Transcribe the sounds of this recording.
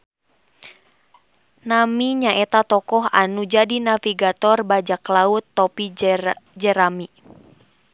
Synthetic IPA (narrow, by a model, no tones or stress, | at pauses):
namiɲaʔɛt̪at̪ɔkɔɦanud͡ʒadinafiɡat̪ɔrbad͡ʒaklaut̪ːɔpid͡ʒɛɾami